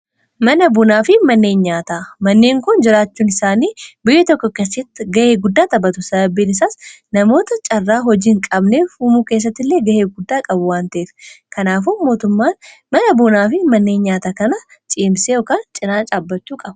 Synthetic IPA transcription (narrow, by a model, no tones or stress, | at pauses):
mɐnɐbʊnaːfɪmɐnːe̞ːnɲaːt̪amɐnːe̞ːŋkʊnd͡ʒɪɾaːt͡ʃːuːnɪsaːniːbʊjːɛt̪ɔkːɔkesːɪt̪ːɡɐʔeːɡʊd̪ːaːt̪ɐbɐt̪ʊsɐbɐbːiːnɪsaːs | nɐmo̞ːt̪ɐt͡ʃʼɐrːaːɦɔd͡ʒiːŋkʼɐbne̞ːfuːmuːke̞ːs̬ːɐt̪ːɪlːe̞ːɡɐʔe̞ːɡʊd̪ːaːkʼɐbʊwaːnt̪ɐʔeːfkɐnaːfuːmo̞ːt̪ʊmːaːn | mɐnɐbʊnaːfɪmɐnːe̞ːnɲaːt̪aːkɐnɐt͡ʃʼiːmseːɔkaːnt͡ʃʼɪnaːt͡ʃʼaːbːɐt͡ʃːuːkʼɐbɐ